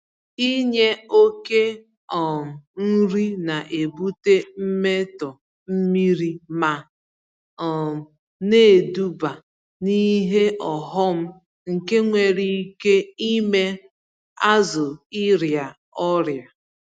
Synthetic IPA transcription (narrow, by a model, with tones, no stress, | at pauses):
i˦ɲe˦o˦ke˦ | ɔ˨m̩˨n̩˦ɾi˦na˨ʔe˨bu˦te˦m̩˦me˦tɔ˨ | m̩˦mi˦ɾi˦ma˦ | ɔ˨ | ne˦˨du˦ba˨ | ni˦ɦe˦ʔɔ˨ɦɔ˦m̩˦ | ŋ̩˨ke˦ŋʷe˨ɾi˨˦ke˦i˦me˦ | a˦zʊ˨i˦ɾja˨ | ɔ˦ɾja˨